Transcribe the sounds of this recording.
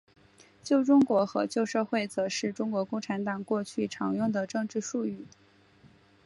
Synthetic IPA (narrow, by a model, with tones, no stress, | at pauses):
t͡ɕjo˥˧ʊʈ͡ʂʊ˥ŋkwɔ˧˥xɤ̰˧˥t͡ɕjo˥˧ʊʂɤ˥˧xwe˥˩ɪt͡sɤ˧˥ʂɻ̩˥˩ʈ͡ʂʊ˥ŋkwɔ˧˥kʊ˥˩ŋʈ͡ʂʰa˧˥nt̪ɑ˨˩ŋkwɔ˥˧t͡ɕʰy˥˩ʈ͡ʂʰɑ˧˥ŋjʊ˥˩ŋd̪ə˩ʈ͡ʂɤ˥˧ŋʈ͡ʂɻ̩˥˧ʂu˥˧y˥˩